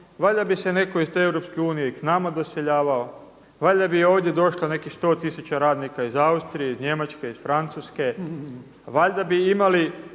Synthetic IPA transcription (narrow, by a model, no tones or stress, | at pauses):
ʋaʎʲd̪abise̞ne̞ko̞izt̪evɾo̞pskeuːnijeiknamad̪oseʎaːʋao̞ | ʋaʎʲd̪abio̞ːʋd̪je̞d̪o̞ʃlane̞kist̪o̞ːt̪isut͡ɕaɾaːd̪nikaizaust̪ɾijeizɲe̞mat͡ʃkeizfɾant̪suːske̞ | ʋaʎd̪abiimali